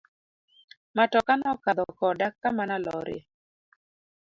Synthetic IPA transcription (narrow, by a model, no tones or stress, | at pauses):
matɔkanɔkad̪ɔkɔdakːamanalɔɾɪ̰